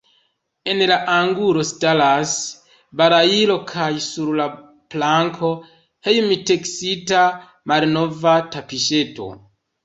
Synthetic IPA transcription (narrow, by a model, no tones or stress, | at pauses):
e̞nlaʔaŋɡulo̞stalas | baɾailo̞kʰajsuɾla | plaŋkʰo̞ | he̞jmite̞ksita | malno̞vatapiʃe̞to̞̰